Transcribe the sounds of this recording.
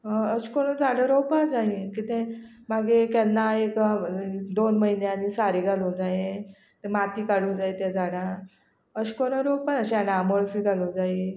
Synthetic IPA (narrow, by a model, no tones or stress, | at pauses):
ɦəɕkoɽ̃əd͡zaɽəɾopad͡zaikit̪ẽmaɡekɛnːaek | d̪onməɦinjanisaɾiɡʱalod͡zajẽ | t̪emat̪iːkaɽ̤ud͡zait̪ad͡zaɽã | əɕkoɽ̃əɾopanəɕanaːməɭfiɡʱalud͡zai